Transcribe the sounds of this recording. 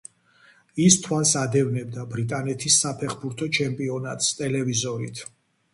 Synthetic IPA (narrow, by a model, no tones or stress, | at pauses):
ist̪ʰwalˠsad̪ɛvnɛb̚d̪abɾit̪ʼanɛt̪ʰisːapʰɛχbuɾt̪ʰɔt͡ʃʰɛmpʼiɔnat̪ʼst̪ʼɛlɛvizɔɾit̪ʰ